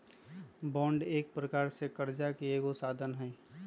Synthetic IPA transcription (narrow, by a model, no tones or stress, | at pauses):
bɔ̃ːɳɖeːk̚pɾəkaːɾsekəɾd͡ʒakeeːɡosaːd̪ʱənɦɛ